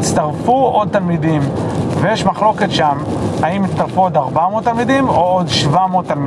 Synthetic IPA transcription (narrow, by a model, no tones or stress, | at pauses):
it͡st̪aʁfuo̞d̪̚t̪almid̪imvejeʃmaχlo̞ke̞t̪ʃamhaimist̪aʁfuo̞d̪aʁbamoːt̪ːalmid̪imood̪ʃvamot̪almi